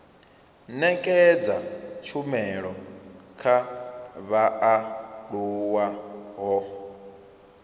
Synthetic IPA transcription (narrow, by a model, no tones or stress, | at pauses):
nɛkʼɛd͡zat͡ʃʰumɛɺɔkʰaβaʔaɺuwaɦɔ